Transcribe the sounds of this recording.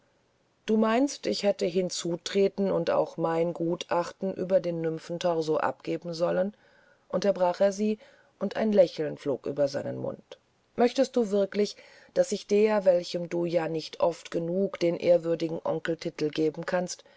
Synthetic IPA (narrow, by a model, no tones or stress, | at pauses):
d̥uːmaɪnstɪçhɛtəɦɪnt͡suːtʁ̥eːtn̩ʊnta̰ʊxmaɪnɡuːtʰʔaχtn̩ʔy̰ːbɐdeːnːʏmfn̩tʰɔʁzoʔa̰p̚ɡ̥eːbm̩zɔlən | ʔʊntɐbʁaːχeːɐziː | ʔʊntʔa̰ɪnlɛçl̩nflo̰ːkʔy̰ːbɐza̰ɪnənmʊ̰nt | mœçtəst̚d̥uːvɪɐklɪç | d̥asɪçd̥eːɐvɛlçəmduːjaːnɪçtʰʔɔftɡ̥ənuːkd̥eːnʔeːɐvʏɐdɪɡŋ̩ʔɔŋkl̩tʰɪtl̩ɡeːbm̩kʰanst